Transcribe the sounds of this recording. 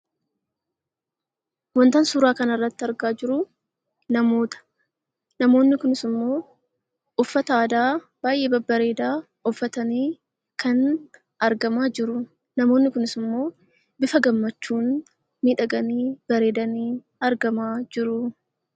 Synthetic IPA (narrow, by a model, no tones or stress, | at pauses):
wɔnt̪ɐnsuːɾaːkɐnɐrːɐt̪ːɪɐɾɡaːd͡ʒɪɾʊ | nɐmo̞ːt̪ɐ̥ | nɐmo̞ːnːɪkʊnɪsɪmːo̞ː | ʊfːɐt̪ɐaːd̪aː | b̥aːjʔe̞ːbɐbːɐɾe̞ːd̪aː | ʊfːɐt̪ɐniː | kɐn | ɐɾɡɐmaːd͡ʒɪɾʊ | nɐmo̞ːnːɪkʊnɪsɪmːo̞ː | bɪfɐɡɐmːɐt͡ʃːuːn | miːᶑɐɡɐniːb̥ɐɾe̞ːd̪ɐniː | ɐɾɡɐmaːd͡ʒɪɾʊ